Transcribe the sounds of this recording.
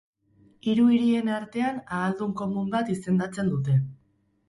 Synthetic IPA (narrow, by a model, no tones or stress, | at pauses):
iɾuiɾie̞naɾt̪e̞anaːld̪uŋko̞mumbat̪ise̞nd̪at͡se̞nd̪ut̪e̞